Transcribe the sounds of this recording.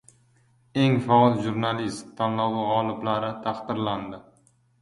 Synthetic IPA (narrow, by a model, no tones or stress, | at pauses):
e̞ŋfɒlˠʒuɾnalist̪ʰːanlɒwɪʁɒlˠɪblaɾɪt̪ʰɑqd̪ɪɾland̪ɪ